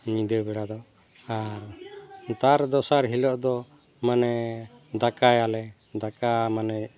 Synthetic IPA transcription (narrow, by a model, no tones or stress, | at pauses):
ɲĩd̪əbɛɽad̪ɔ | aɾt̪aɾd̪ɔsaɾɦilɔʔd̪ɔ | manɛd̪akajalɛ | d̪akamanɛ